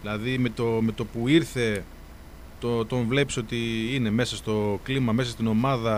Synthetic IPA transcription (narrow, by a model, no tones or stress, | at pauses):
ilɐðime̞t̪ome̞t̪o̞puiɾθe̞ | t̪ot̪o̞ɱvle̞piso̞t̪iine̞me̞sɐst̪o̞klimɐme̞sɐst̪ino̞mɐðɐ